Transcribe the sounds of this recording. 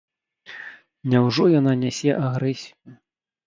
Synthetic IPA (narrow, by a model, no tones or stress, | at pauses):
nʲawʐɔjananʲɛsʲɛʔaɣɾɛsʲiju